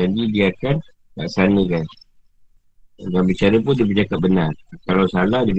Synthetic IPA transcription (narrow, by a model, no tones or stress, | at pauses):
andidiəakan | ka̰ʔsanəkan | ɡambit͡ʃaɾəpʊndibəd͡ʒakap̚bənarkalawsalahdib